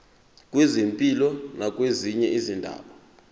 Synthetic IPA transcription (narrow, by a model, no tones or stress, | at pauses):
kʼwezempʼilɔnak̬ʼweziɲɛʔizindʱa̰ːɓa